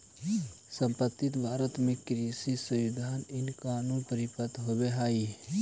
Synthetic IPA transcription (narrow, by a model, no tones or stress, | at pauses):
sə̃mpət̪ːɪt̪bʱaːɾət̪mẽkɾisisə̃id̪ʱaːnɪnkaːnũnpəɾɪpət̪ɦobeɦaːi